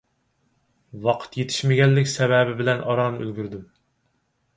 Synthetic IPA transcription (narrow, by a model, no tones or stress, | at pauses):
wɑqʰə̥t̪jet̪ʰɪ̥ʃmɪɡʲɛnːɪkʲsɛvɛbɪbɪlɛnʔɑɾɑːnɨʔølɡʲyɾd̪ym